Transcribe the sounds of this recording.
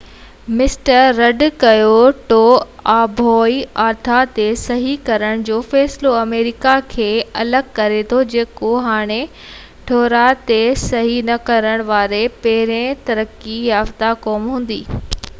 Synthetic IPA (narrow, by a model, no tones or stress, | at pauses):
mɪsʈəɾːɐɖkɐjoʈoːaːbʱɔːiaːɾt̪ʰat̪esɐɦikɐɾəɽ̃d͡ʑoːfɛːsloɐmeːɾɪkakʰeːɐləɡkɐɾet̪ʰod͡ʑeːkoɦaːɽ̃e | ʈʰɔːɾat̪esɐɦinɐkɐɾəɽ̃ʋaːɾepɛɦɪɾẽt̪ɐɾəkːijaːft̪akɔːmɦũːn̆d̪ḭː